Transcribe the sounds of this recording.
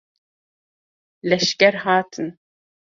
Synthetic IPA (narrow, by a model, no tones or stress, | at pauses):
lɛʃkɛɾhaːt̪ʰən